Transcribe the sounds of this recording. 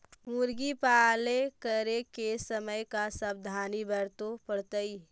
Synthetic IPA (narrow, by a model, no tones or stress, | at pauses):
muɾɡipaːlekəɾekesəməjkasəb̚d̪ʱaːnibəɾt̪opəɽt̪əi